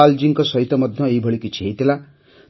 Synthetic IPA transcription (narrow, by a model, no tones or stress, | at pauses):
ald͡ʒiŋkɔsɔɦit̪ɔmɔd̪ʱjɔejbʱɔɭikut͡ʃʰejt̪ila